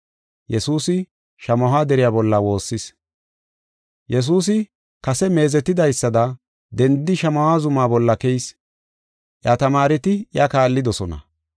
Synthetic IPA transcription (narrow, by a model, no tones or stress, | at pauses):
jɛsuːsɪ | ʃɐmɐɦaːd̪ɛɾɪjaːbɔlːɐwo̞ːsːɪs | jɛs̬uːs̬ɪ | kɐsɛme̞ːzɛt̪ːɪd̪ɐjsːɐd̪ɐ | d̪ɛnd̪ɪʃɐmɐhaːzʊmaːbɔlːɐkɛjs | ʔjat̪ɐmaːɾɪt̪ɪjakaːlːɪd̪ɔsɔnɐ̰